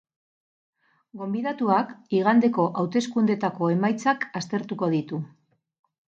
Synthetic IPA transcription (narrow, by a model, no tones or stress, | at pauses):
ɡo̞mbiðat̪uakiɣ̞and̪e̞ko̞ʔawt̪e̞skund̪e̞t̪ako̞e̞majt͡sakast̪e̞ɾt̪uko̞ð̞it̪u